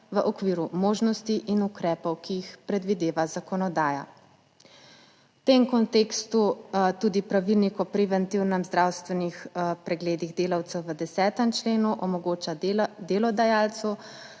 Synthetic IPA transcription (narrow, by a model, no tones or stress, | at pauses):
ʋəʔɔkʋiːɾumoːʒnɔst̪iʔinukɾɛːpɔwkiixpɾɛd̪ʋid̪eːʋazakɔnɔd̪aːja̰ | t̪emkɔnt̪eːkst̪ut̪ud̪ipɾaʋilnikɔpɾɛʋɛnt̪iwnɛmzd̪ɾaːwst̪ʋɛnixpɾɛɡleːd̪iɣd̪eːlawt̪sɛwʋəd̪ɛsɛːt̪əmt͡ʃleːnuʔɔmɔɡoːt͡ʃad̪eːlɔd̪ajaːlt̪su